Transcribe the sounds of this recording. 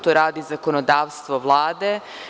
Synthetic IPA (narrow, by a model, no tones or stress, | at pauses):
t̪oɾaːd̪izakonod̪aːʋst̪ʋoʋlˠaːd̪e